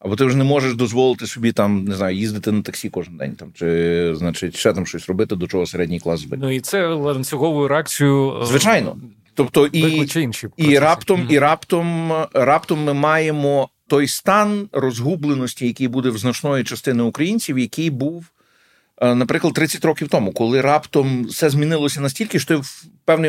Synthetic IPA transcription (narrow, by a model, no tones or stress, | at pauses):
ɐbɔt̪ɪwʒɛnɛmɔʒeʃd̪ɔzʋɔlˠɪt̪ɪsʲɔbʲit̪ɑmnɪznɑjʊjizd̪ɪt̪ɪnɐt̪ɐksʲikɔʒɪnd̪ɛ̰nʲt̪ɑmt͡ʃɪznat͡ʃɪtʲʃɛt̪amʃt͡ʃɔsʲrɔbɪt̪ɪd̪ɔt͡ʃɔɦɔseɾɛdʲnʲijklˠɑ̰sbɪ̰nuit̪sɛlˠɐnʲsʲʊɣɔʋʊjʊɾeak̚t͡sʲijʊzʋɪt͡ʃɑjnɔ̰ | t̪ɔpt̪ɔʔit͡ʃɛinʃipiɾɑpt̪ɔmiɾɑpt̪ɔmɾɑpt̪ɔmːɪmɑjemɔt̪ɔjst̪ɑnrɔzɦublˠenɔsʲtʲijɐkɪjbud̪ɛwznɐt͡ʃnɔjit͡ʃɐst̪ɪnɪʊkɾɐjinʲt͡sʲiwjɐkɪjbuw | nɐpɾɪklˠɐd̪̚ɾɪt͡sʲːɐtʲrɔkʲiwt̪ɔmukɔlˠɪɾɑpt̪ɔmsɛzʲmʲinɪlˠɔsʲɐnɐsʲtʲilʲkɪʃt̪ɔiwpɛwnɪj